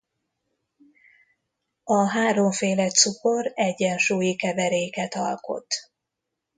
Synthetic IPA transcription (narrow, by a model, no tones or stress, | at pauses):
ɒɦaːɾo̞ɱfeːlɛt̪suko̞ɾɛɟːɛnʃuːjikɛvɛɾeːkɛt̪ɒ̰lko̞̰t̪